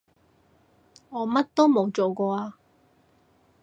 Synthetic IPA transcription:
ŋɔː˨˧mɐ˥t̚t̪o˥wmo˨˧wt͡ʃo˨˩wkɔː˧aː˧

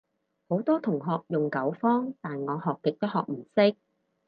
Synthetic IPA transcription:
ho˨˥wt̪ɔː˥t̪ʰʊ˨˩ŋɦɔː˨k̚jʊ˨ŋkɐ˨˥wfɔː˥ŋt̪aː˨nŋɔː˨˧hɔː˨kːɪ˨k̚t̪ɐ˥hɔː˨k̚m̩˨˩sɪ˥k̚

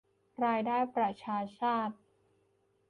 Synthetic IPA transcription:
ɾaː˧jdaː˥˩jpɾa˨˩t͡ɕʰaː˧t͡ɕʰaː˥˩t̪̚

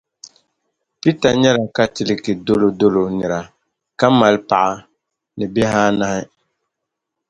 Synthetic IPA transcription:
pi˦ta˨ɲɛ˦la˨ka˦tɪ˨lɪ˦kɪ˨do˦lo˨do˦lo˨nɪ˨ɾa˨ | ka˦ma˨lpa˨ʔa˦ | nɨ˨bɪ˦ɦaː˦na˦hɪ˦

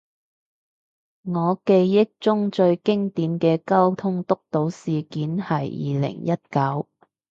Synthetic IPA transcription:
ŋɔː˨˧ke˧jːɪ˥k̚t͡sʊ˥ŋt͡ʃɵ˧ɥkɪ˥ŋt̪iː˨˧mkɛː˧kɐ˥wt̪ʰʊ˥ŋt̪ʊ˥k̚t̪o˨˧˥wsiː˨kiː˨˥nhɐ˨˩jjḭː˨lɪ̰˨˩ŋjɐ˥t̚kɐ˨˥w

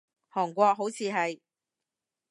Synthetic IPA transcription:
hɔː˨˩ŋkʷɔː˧k̚ɦo˨˥wt͡sʰiː˨˧ɦɐ˨j

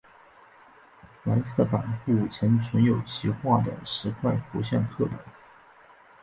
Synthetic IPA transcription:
la˧˥nt͡s̩ʰ˥˩pa̰˨˩nxu˥˩t͡ɕʰjɛ˧˥nt͡sʰʊ˧˥njo˨˩ʊt͡ɕʰi˧˥xwa˥˩d̪ə̰˩ʂɻ̩˧˥kʰwa˥˩ɪfu˧˥ɕjɛ˥˧nkʰɤ˥˩p̪ə̰˨˩˦n

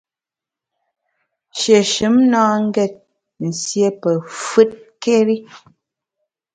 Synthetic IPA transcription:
ʃe˨ʃɨ˨˦mnaː˦ŋ̩˦ɡɛ˦˨t̚ | n̩˨sje˦pɛ˨fɨ˦t̚ke˦ɾi˦

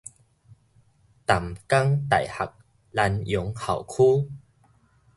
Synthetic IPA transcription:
t̪a˨˩mka˦ŋt̪a̰˨˩jha̰˨˩k̚ | la˧njʊ˨˦ŋha̰˨˩wkʰuː˦

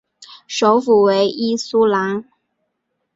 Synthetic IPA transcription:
ʂo˧˥ʊfu˨˩we˧˥ɪʔi˥su˥la˧˥n

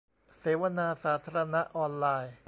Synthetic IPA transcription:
seː˩˦wa˧naː˧saː˩˦t̪ʰaː˧ɾa˧na˦˥ʔɔː˧nlaː˧j

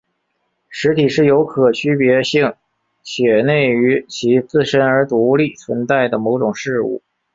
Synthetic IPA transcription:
ʂɻ̩˧˥t̪ʰi˨˩ʂɻ̩˥˩jo˧˥ʊkʰɤ˨˩t͡ɕʰy˥pjɛ˧˥ɕi˥˩ŋ | t͡ɕʰjɛ˨˩ne˥˩ɪy˧˥t͡ɕʰi˧˥t͡sɹ̩˥˩ʂə˥nə˞˧˥t̪u˧˥li˥˩t͡sʰwə˧˥nt͡sa˥˩ɪd̪ə˩mo˧˥ʊʈ͡ʂʊ˨˩ŋʂɻ̩˥˧ṵ˥˩

